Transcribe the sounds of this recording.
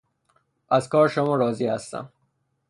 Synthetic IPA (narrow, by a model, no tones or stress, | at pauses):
æzkɒːɾʃomɒːɾɒːziːhæst̪æ̰m